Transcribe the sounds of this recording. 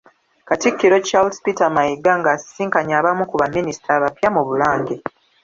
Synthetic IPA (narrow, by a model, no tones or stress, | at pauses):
katikːiɾo̞t͡ʃauspitamajiɡːaŋɡasiːŋkaɲaːβamukuβamːinisi̥tɾaːβapjamuβulaːŋɟe